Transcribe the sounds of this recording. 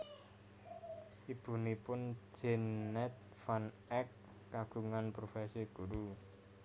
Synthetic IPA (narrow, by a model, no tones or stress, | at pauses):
ʔib̥ṳnipʊnd͡ʒ̥ɛ̤nːɛt̪̚ | fan | ɛkː | aɡ̥uŋanpɾofɛsiɡ̥uɾu